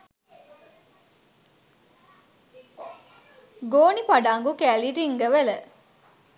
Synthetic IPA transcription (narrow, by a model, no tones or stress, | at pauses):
ɡoːnipaɖaːŋɡukæːliɾiŋɡəʋelə